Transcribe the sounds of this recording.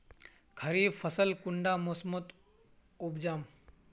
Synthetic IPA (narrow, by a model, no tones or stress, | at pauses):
kʰəɾiːbfʰəsəlkʊɳɖamosmot̪ | ʊbd͡ʒaːm